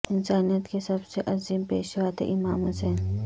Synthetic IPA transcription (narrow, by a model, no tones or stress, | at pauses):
ɪnsaːnijət̪kesɐbseʔɐziːmpeːʃʋaːt̪ḛʔɪmaːmɦʊseːn